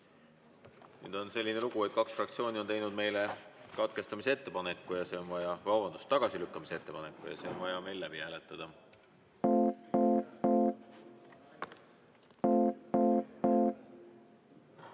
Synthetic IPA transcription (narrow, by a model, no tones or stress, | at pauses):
ny̰ːd̪o̞nse̞lʲːine̞luɡ̥uejd̪̥̚kɑksfrɑkt̪sio̞ːnʲio̞nt̪ejnud̪̚me̞jlekɑt̪ke̞st̪ɑmiseet̪ːe̞pɑne̞kːˑujɑse̞o̞nvɑjɑvɑwvɑnd̪ust̪ːɑɡ̥ɑsilykˑːɑmisee̞t̪ːe̞pɑne̞kːˑujɑ̰seo̞nvɑjɑme̞jlːæb̥ihæːle̞t̪ːˑɑd̪̥ɑ